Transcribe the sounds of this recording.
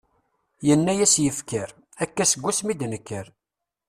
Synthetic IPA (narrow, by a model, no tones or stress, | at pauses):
jənːæjæsjəfkəɾ | ækːæsəɡʷːusmid̪nəkːəɾ